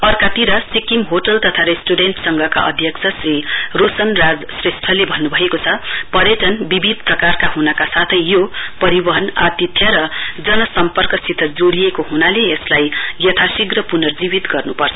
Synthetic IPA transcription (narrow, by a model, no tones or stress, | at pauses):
ʌrkat̪iɾʌsikimɦoʈʌlt̪ʌt̪ʰaɾesʈuɽenʈsʌŋɡʌka̰ʔʌ̰d̪ʱjʌkt͡sʰʌsrirosʌnrad͡zsresʈʰʌlebʱʌnːubʱʌekot͡sʰʌpʌɾjʌʈʌnbibʱid̪̚ʱprʌkarkaɦunʌkasat̪ʰʌjːopʌɾibʌɦʌnat̪it̪ʰjʌɾʌd͡zʌnʌsʌmpʌrkʌsit̪ʰʌd͡zoɽijekoɦunaleːslajjʌt̪ʰasiɡrʌpunʌrd͡zibit̪ɡʌrnupʌrt͡sʰʌ